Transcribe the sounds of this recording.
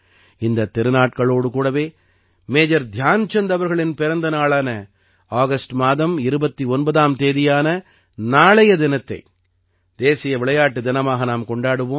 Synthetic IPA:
ɪnd̪ɐt̪ːɪɾɯnaːʈ̚kɐɭoːɽɯkuːɽɐʋeː | meːd͡ʒɐɾd̪ʱjaːnt͡ʃɛnd̪ɐʋɐɾɣɐɭɪnpɪɾɐnd̪ɐnaːɭaːnɐ | aːɣɐsʈmaːðɐmɪɾɯbɐt̪ːiɔnbɐðaːmt̪eːðɪjaːnɐ | naːɭɐjɐd̪ɪnɐt̪ːɐɪ | d̪eːsɪjɐʋɪɭɐjaːʈːɯd̪ɪnɐmaːɣɐnaːmkɔɳɖaːɽɯʋoːm

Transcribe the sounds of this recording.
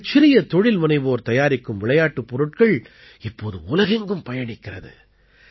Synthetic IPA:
t͡ʃːɪɾɪjɐt̪ɔɻɪlmɐnɐɪʋɯːɾt̪ɐjaːɾɪkːɯmʋɪɭɐjaːʈːɯpːɔɾɯʈ̚kɐɭ | ɪpːoːðɯʊlɐɣɛŋɡɯmpɐjɐɳɪkːɪrɐðɯ̰

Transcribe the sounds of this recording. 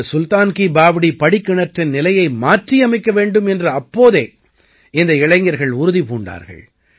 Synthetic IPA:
sʊlt̪aːnkibaːʋɪɽipɐɽɪkːɪɳɐʈrɪnnɪlɐjɐɪmaːʈriɐmɪkːɐʋeːɳɖɯmɛndrɐɐpːoːðeː | ɪnd̪ɐɪɭɐɪŋɡɐɾɣɐɭʊɾʊðipuːɳɖa̰ːɾɣɐ̰ɭ

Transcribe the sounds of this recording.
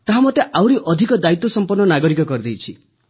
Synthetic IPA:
t̪aɦamot̪eʔawɾiʔɔd̪ʱikɔd̪ait̪ːɔsɔmpɔrnɔnaɡɔɾikɔkɔɾid̪ejt͡ʃʰi

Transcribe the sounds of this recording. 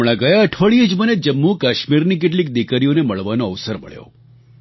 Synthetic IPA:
ɽ̃aɡəjaəʈʰʋəɭied͡ʒməned͡ʒəmːukaʃmiɾnik̬eʈ̬lik̚d̪ikaɾioneməɭʋanoəʋsəɾmə̰ɭjo̰

